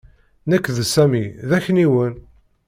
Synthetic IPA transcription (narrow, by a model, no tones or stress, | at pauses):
nəkːðsæmiðæçniwən